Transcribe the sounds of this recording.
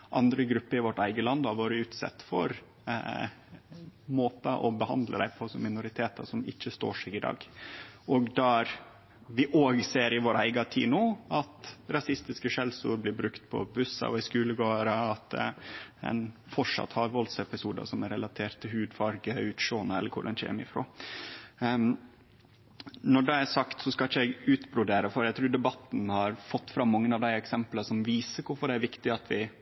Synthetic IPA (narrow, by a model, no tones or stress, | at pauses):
ʔɑnd̪ɾəɡɾʉpːəɾɪʋɔʈːæɪɡəlɑnd̪ɑʋoːɾəʉːt̪sɛ̰t̪ːfɔɾ | moːt̪ɑʔɔbəhɑ̰nd̪lə̰d̪æ̰ɪpʰɔsɔmɪnʊɾɪt̪ʰeːt̪ɑsɔmɪ̰çːəst̪o̰ːʂɛːɡɪd̪ɑ̰ːɡɔɡd̪æɾ | ʋɪʔoːɡseːɾɪʋoːɾæɪɡɑt̪ʰḭːnuːɑt̪ɾɑsɪst̪ɪskəʂɛlsʊ̰ːɾblɪbɾʉkt̪pʰɔ̰bʉsːɑ̰ɔɪskʉːləɡoːəɾəɑt̪ | ɛ̰nfɔʂɑ̰t̪ːhɑːʋɔlsɛpɪsuːd̪ɑ̰sɔmæɾɛlɑt̪ʰeːɾʈt̪ʰːɪlhʉːd̪fɑɾɡəʉːt̪ʃoːnəɛlːəɾkʰʊ̰ɖɛnçɛ̰mɪfɾo̰ː | nɔɖɛæsɑkt̪sɔskɑlɪçəæɪɡʉːt̪bɾʊd̪eːɾəfɔɾæɪt̪ʰɾʉːɖ̪ɛbɑt̪ːn̩hɑɾfɔt̪ːfɾɑmːɑŋːənɑʋd̪æɪɛksɛmpləsɔmʋiːsəɾkʰʊɾfɔɖɛæɾʋɪkt̪ɪɑt̪ʋɪ